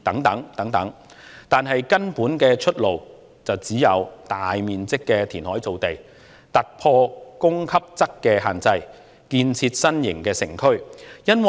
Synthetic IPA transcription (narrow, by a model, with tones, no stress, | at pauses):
t̪ɐ˨˥ŋt̪ɐ˨˥ŋt̪ɐ˨˥ŋt̪ɐ˨˥ŋ | t̪aː˨nɦɐ˨jkɐ˥npuː˨˥nkɛː˧t͡ʃʰɵ˥t̚lo˨w | t͡sɐ˨wt͡siː˨˥jɐ˨˧wt̪aː˨jmiː˨nt͡sɪ˥kːɛː˧t̪ʰiː˨˩nhɔː˨˥jt͡so˨wt̪e˨˩j | t̪ɐ˨t̚pʰɔː˧kʊ˥ŋkʰɐ˥p̚t͡sɐ˥kkːɛː˧ɦaː˨nt͡sɐ˧j | kiː˧nt͡sʰiː˧t̚sɐ˥njɪ̰˨˩ŋkɛː˧sɪ̰˨˩ŋkʰɵ˥ɥjɐ˥nwɐ˨